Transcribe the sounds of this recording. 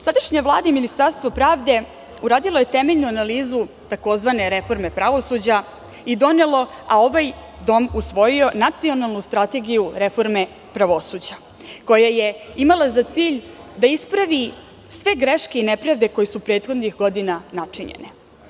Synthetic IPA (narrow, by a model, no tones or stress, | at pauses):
sad̪aʃɲaʋlˠaːd̪eminist̪aɾst̪ʋo̞pɾaːvd̪e̞ | uɾaːd̪ilˠo̞jet̪emeʎnuanaliːzu | t̪ako̞zʋane̞ɾe̞fo̞ɾme̞pɾaʋo̞sud͡ʑa | id̪o̞ne̞lˠo̞ao̞ʋaj | d̪o̞musʋo̞jio̞nat̪sio̞nalˠnust̪ɾat̪e̞ɡijuɾefo̞ɾme̞ | pɾaʋo̞suːd͡ʑa | ko̞jaje̞imalˠazat̪siːʎd̪aispɾaʋi | sʋe̞ɡɾeʃke̞inepɾaʋd̪e̞ko̞jesupɾe̞ːt̪xo̞d̪nixɡo̞d̪inanat͡ʂiɲḛne